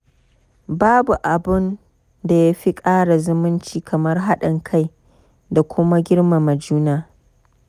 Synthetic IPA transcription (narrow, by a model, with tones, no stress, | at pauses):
baː˦bu˨ʔa˨bɪ˦n | da˨ja˦ɸi˦kʼaː˦ɽa˨zʊ˦mʊ˦nt͡ʃiː˦˨kʰɐ˨mɐ˦rɦa˦ɗɐ˨ŋkʰa˦j | da˨kʷʊ˦ma˦ɡʲɪ˦ɽma˨mɐ˨d͡ʒuː˦naː˦